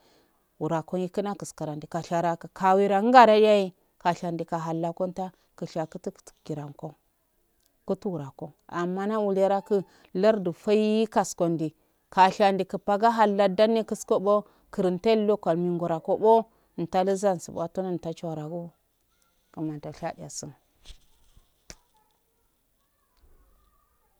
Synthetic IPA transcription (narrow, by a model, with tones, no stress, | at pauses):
wu˨ɾa˨ko˦ji˦kə˦na˦kə˨ska˨ɾa˨ndi˨ka˨ɬa˨ɾa˨kə˨kʰa˨wi˦ɾa˨˦ɡa˦ɾa˦da˦ji˦ | ka˨ɬa˨ndi˨ka˨ɦa˨lːa˨ko˦n˦ta˦ | kə˨ʃa˨kə˦ti˦ktɡi˨ɾa˨ŋko˦ | ku˦tu˦wu˨ɾa˨ko˦a˨mːa˦na˦wu˨la˦ɾa˦kə˦ | la˦ɾdu˨fa˦ji˦i˦ka˨sko˨ndi˨ | ka˨ɬa˨ndi˨kə˨pa˦ɡa˦ɦa˨lːa˦da˦nːe˦kə˦sko˦bo˦ | kə˨ɾi˨nta˦lo˦kʷa˨lmi˨ŋɡu˨ɾa˨ko˦bo˦˨ | n̩˨ta˦lə˦za˦n˨sḭ˨b̰a˦to˦na˦n˨ta˦t͡ʃo˦˨ɾa˨ɡu˦ | kə˨ma˨n˨ta˨ɬa˦di˨ja̰˨sə˦n